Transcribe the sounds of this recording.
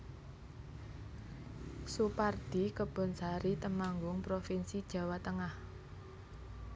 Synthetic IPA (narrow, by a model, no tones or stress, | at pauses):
supard̪̥i̤kəb̥ɔ̤nsaɾit̪əmaŋɡʊŋpɾofinsid̥ʒ̥ä̤wat̪əŋah